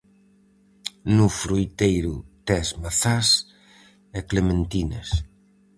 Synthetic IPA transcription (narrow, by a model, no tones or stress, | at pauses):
nufɾujt̪ejɾut̪ɛzmaθas | ɛklemẽnt̪ines